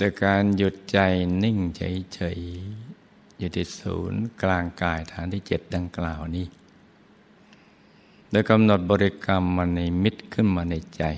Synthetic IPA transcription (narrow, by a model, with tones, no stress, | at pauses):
ɗ̪ɨ˧kaː˧nju˧t̪̚t͡ɕa˧jni˧ŋt͡ɕʰə̰˧˦jt͡ɕʰə˧j | ju˧˩t̪ʰːiː˧˩sṵː˧˦nklaː˧ŋkaː˧jt̪ʰaː˧nt̪i˧t͡ɕi˩ət̪̚ɗa˧ŋklaː˧wni˧ | ɗa˧˩ka˧mnɔ˧t̪̚ɓɔː˧ɾi˧ka˧mːaː˧ni˧jmi˧˥t̪̚kʰɨ˧nmaː˧˩nə˧t͡ɕa˧j